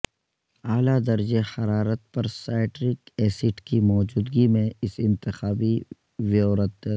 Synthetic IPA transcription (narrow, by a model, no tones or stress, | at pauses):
aːlad̪ɐɾd͡ʒehɐɾaːɾət̪̚pɐɾsaːɪʈɾɪkɛːsɪʈkimɔːd͡ʒuːd̪ɡimẽɪsɪ̃nt̪ɪxaːbi | ʋjoːɾət̪